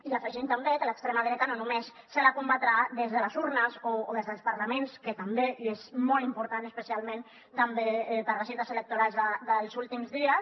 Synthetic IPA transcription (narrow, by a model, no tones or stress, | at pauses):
ilafəʒimt̪ambekələkst̪ɾemaɣɾekənonumesːəlakumbat̪ɾaðezðələzuɾnəzoːðezðəlˠspəɾlamẽnskət̪ambeezmɔlimpuɾt̪anəspəsialˠmẽn | t̪ambeɛpəɾləsint̪əselək̚t̪uɾalˠzðəðəlˠzulˠt̪imzðiəs